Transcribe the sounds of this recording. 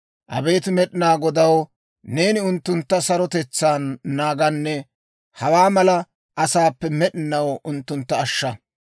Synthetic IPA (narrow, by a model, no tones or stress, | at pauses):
ʔɐ̰be̞ːt̪ɪmɛɗɪnaːɡɔd̪ɐw | ne̞ːnɪʊnt̪ːʊnt̪ːɐsɐɾɔt̪ɛt͡sːaːnːaːɡɐnːɛ | hɐwaːmɐlɐ | ʔɐsaːpːɛmɛɗɪnɐwʔʊnt̪ːʊnt̪ːɐːʃːɐ